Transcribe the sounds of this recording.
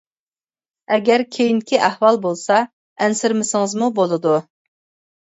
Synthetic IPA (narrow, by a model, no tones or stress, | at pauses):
ɛɡʲɛɾkʲʰejinɪkʲʰiʔæhwɑlˠbolˠsɑ | ɛnsɪɾmɪsɪŋɨzmubolˠɨd̪u